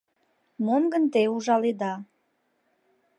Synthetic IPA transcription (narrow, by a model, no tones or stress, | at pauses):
momɡənt̪euʒɑled̪ɑ